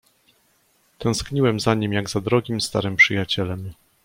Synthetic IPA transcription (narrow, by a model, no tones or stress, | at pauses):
t̪ɛ̃w̃skɲiwɛmzaɲimjaɡzad̪ɾɔɡʲimst̪a̰ɾɘmpʂɘjat͡ɕɛlɛm